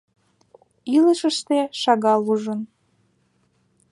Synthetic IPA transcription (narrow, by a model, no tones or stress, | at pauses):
iləʃəʃt̪eʃɑɣɑluʒən